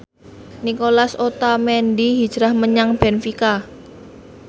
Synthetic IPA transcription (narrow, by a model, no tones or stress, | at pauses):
nikolasot̪amɛndiɦid̥ʒ̥ɾahməɲaŋb̥ɛnfika